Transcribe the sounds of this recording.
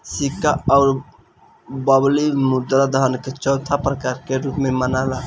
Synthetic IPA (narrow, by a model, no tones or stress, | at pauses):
sikaɔʊɾ | bəblimud̪ɾad̪əɦənket͡ʃɔʊt̪ʰapɾəkaɾkeɾupmemənala